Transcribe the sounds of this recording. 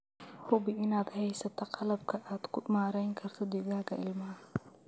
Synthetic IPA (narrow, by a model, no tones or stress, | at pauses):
hʊbɪɪnaːd̪hɛjsɐt̪ʰɐqɑlɐb̚kʰɐʔaːd̪̥kʰʊmaːɾɛjŋkʰɐrt̪ʰɔd̪ɪɡaːɣɐʔɪ̰lmɐɐ